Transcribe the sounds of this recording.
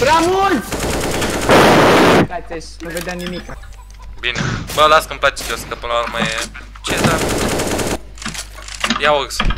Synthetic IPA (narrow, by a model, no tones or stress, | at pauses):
bɾamult̪ | pat̪eʃnuved̪jamnimik | binebəlask̪əmplat͡ʃe̥t̪eoskəpɨnlaurmajeeut͡ʃed̪a | jaoɡs